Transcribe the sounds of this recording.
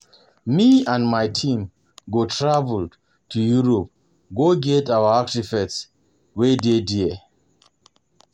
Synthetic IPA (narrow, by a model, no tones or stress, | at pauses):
miãnmajtʰĩm | ɡotʰɹavəld | tʰujuɹɔp̚ | ɡoɡɛtawəaktifɛts | wededi